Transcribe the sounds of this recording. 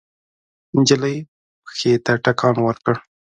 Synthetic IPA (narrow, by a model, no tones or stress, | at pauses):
ɪnd͡ʒaləj | pəxet̪aʈakɑnwəɾkəɽ